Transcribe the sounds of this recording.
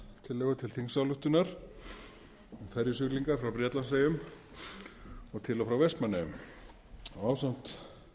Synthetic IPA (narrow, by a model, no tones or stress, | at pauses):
t̪ʰɪlːɛːɣat̪ʰɪlθiŋsawlʏht̪ʏnaɾ̥ | ɔɣfɛɾjɪs̬ʏkliŋkaɾ̥fɾawpɾjɛt̪lans̬ejʏm | ɔɣt̪ʰɪlɔwfɾawvɛspmanajʏm | ɔawsan̥t̪